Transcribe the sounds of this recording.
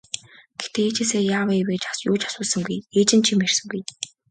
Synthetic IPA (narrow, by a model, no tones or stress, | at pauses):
ɡ̥et̪eːeːt͡ɕeːseːjaːwaeweːkt͡ɕḁsjʊːt͡ɕḁsʊːsə̆ŋɡujeːt͡ɕɪ̆nt͡ɕʰimer̥sə̆ŋɡuj